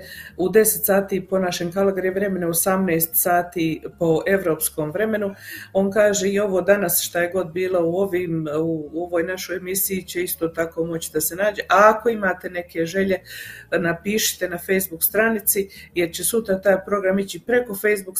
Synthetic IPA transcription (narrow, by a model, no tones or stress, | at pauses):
ud̪e̞set̪saːt̪iːpo̞naʃeŋkalaɡɾieʋɾe̞me̞neosamneːst̪saːt̪iːpo̞ʔe̞ʋɾo̞ːpsko̞ːmʋɾe̞me̞nuo̞ːnkaːʒeio̞ʋo̞ːd̪anasʃt̪aje̞ɡo̞d̪̚biːlauo̞ʋiːmuo̞ʋo̞ːjnaʃo̞jemisijit͡ɕe̞ist̪ot̪ako̞ːmo̞t͡ɕi̥d̪ase̞naːd͡ʒe̞ʔaːko̞imaːt̪e̞ne̞ke̞ʒe̞ʎe̞napiːʃi̥t̪e̞nafe̞jzbukst̪ɾanit̪sijeɾt͡ɕe̞sut̪ɾat̪aːjpɾo̞ɡɾamit͡ɕipɾe̞ko̞fe̞jzbuk